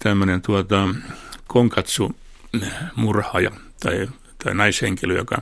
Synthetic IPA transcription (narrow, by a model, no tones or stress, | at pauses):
t̪æmːønent̪uot̪ɑkʰoŋkɑt̪su | murhɑːjɑ̰ | t̪ɑi | t̪ɑinɑisheŋkiløjo̰kɑ̰